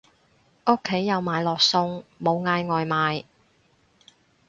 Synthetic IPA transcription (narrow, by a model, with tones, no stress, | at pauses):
ʔʊ˥kʰːe˨˥jːɐ˨˧wmaː˨˧jlɔː˨k̚sʊ˧ŋmo˨˧wŋaː˧jŋɔː˨jmaː˨˧j